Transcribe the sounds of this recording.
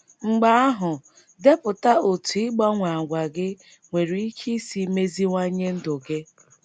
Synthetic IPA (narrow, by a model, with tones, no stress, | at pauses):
ŋ͡m̩˨ɡ͡ba˨˦a˦ɦʊ˨ | de˦pʊ˨ta˦o˨tu˨ɪ˦ɡ͡ba˦ŋʷa˨ɡʷa˨ɡɪ˦ | ŋʷe˨ɾi˨i˦kʰi˦si˦me˦zi˦ŋʷa˦ɲe˦n̩˦dʊ˨ɡɪ˦